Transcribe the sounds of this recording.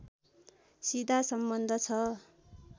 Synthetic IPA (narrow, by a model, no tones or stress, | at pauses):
sid̪ʱasʌmbʌnd̪ʱʌt͡sʰʌ